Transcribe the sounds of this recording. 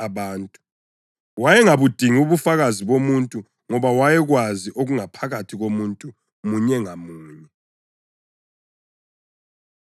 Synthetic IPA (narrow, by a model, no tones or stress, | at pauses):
aβaːntʼu | wajɛŋaβud̥ʱiŋuβufaɣaziβomuntʼu | ŋɔβawajɛɣwaziʔoɣuŋapʰaɣatʰiɣomuntʼu | muɲɛŋamuːɲɛ